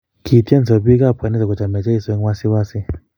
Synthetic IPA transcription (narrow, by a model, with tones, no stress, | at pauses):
ki˨ti˦ɛ˦n˨zɔ˨pi˦ka˦˨pa˨ni˦sa˨kɔ˨t͡ʃa˨mɛ˨t͡ʃa˦i˨sɔ˨˦ŋwa˦si˦wa˦si˦